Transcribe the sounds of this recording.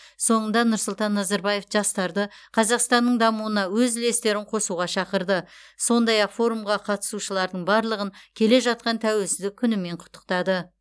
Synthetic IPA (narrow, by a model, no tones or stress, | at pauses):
so̞ɴənd̪ɑnʊɾsʊlˠt̪ɑnːɑzɑɾbɑje̞fʒɑst̪ɑɾd̪əqʰɑzɑqst̪ɑnːəɴd̪ɑmuənɑwɵzle̞st̪e̞ɾɪɴqʰo̞suʁɑʃɑqəɾd̪ə | so̞nd̪ɑjɑqfo̞ɾumʁɑqʰɑt̪ə̥suʃəlˠɑɾd̪əɴbɑɾlˠəʁəŋkʲʰe̞le̞ʒɑt̪̚qɑnt̪ʰæwe̞lsɪzd̪ɪkʲʰʏnɪme̞ɴqʰʊ̥t̪ːəq̚t̪ɑd̪ə